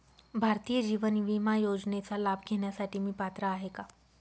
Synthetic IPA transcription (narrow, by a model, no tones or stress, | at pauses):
bʱaɾt̪ijəd͡ʑiʋənʋimajod͡znet͡salabʱɡʱeɳjasaʈiːmiːpat̪ɾaːɦeka